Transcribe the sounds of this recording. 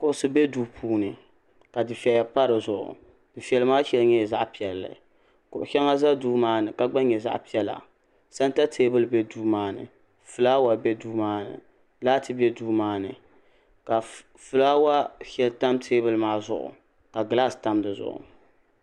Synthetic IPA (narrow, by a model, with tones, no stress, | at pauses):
kʊ˨ʔʊ˦˨sɨ˦bɛ˦duː˦pʰuː˦nɨ˨ | ka˨dɨ˨fi˨ɛ˨a˨pa˦ɾɨ˨zʊ˨ʔʊ̰˨ | d̥ɨ˨fi˨ɛ˨lɨ˦maː˦ʃɛ˦lɲɛ˦˨za˦ʔpi˨ɛ˨lːɨ̰˨ | kʊ˨ʔʊ˨ʃɛ˦ŋa˦za˦duː˦maː˦nɨ˨ka˨ɡ͡ba˦ɲɛ˨za̰˦ʔpi˦ɛ˦la̰˨ | sa˦n˦ta˦tʰeː˦bɨ˦lɨ˨bɛ˦duː˦maː˦nɨ̰˨ | fɨ˨laː˦wa˨bɛ˦duː˦maː˦nɨ̰˨ | laː˦tɨ˦bɛ˦duː˦maː˦nɨ̰˨ | ka˨ | fɨ˨laː˦wa˦ʃɛ˦lta˦mtʰeː˦bɨ˦lmaː˦zʊ̰˦ʔʊ̰˨ | ka˨ɡɨ˨la˦˨sta˦mdɨ˨zʊ̰˨ʔʊ̰˨